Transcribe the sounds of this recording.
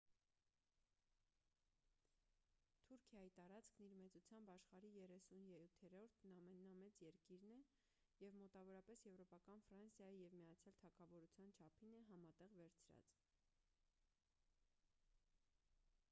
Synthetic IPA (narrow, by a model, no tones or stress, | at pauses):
t̪ʰuɾkʰjɑjit̪ɑɾɑt͡skʰniɾmɛt͡sut͡sʰjɑmbɑʃχɑɾijɛrɛsunjɛɾut̪ʰɛɾɔɾt̪ʰnɑmɛnːɑmɛt͡sjɛɾkiɾnɛ | jɛvmɔt̪ɑvɔɾɑpɛsjɛvɾɔpɑkɑnfɾɑnsjɑjijɛvmijɑt͡sʰjɑlt̪ʰɑkʰɑvɔɾut͡sʰjɑnt͡ʃʰɑpʰinɛɦɑmɑt̪ɛʁvɛɾt͡sʰɾɑ̰t͡s